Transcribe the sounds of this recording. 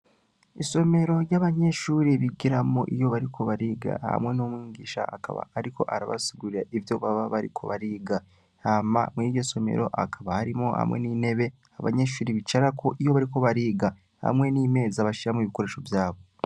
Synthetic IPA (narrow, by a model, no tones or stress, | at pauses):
iso̞me̞ɾo̞ɾjaβaɲe̞ʃuːɾiβiɡiɾamoʔijo̞βaɾikʰo̞βaɾiːɡa̰ha̰mŋe̞nomwiːŋɡiːʃa̰a̰ka̰βa̰ːɾikʰo̞̰ʔaɾaβa̰siɡuɾiɾaʔivjo̞βaβaβaɾḭkʰo̞̰βaɾiːɡa | ama̰muniːjo̞so̞mḛɾo̞̰ʔakʰaβahaɾimo̰ha̰mŋḛniːne̞βe̞ | aβa̰ɲe̞ʃuːɾiβit͡ʃaɾakʰoʔijo̞βaɾiko̞βaɾiːɡa | ha̰mŋe̞niːme̞ːzaβaʃiɾamoiβiko̞ɾe̞ːʃo̞vjaːβo̞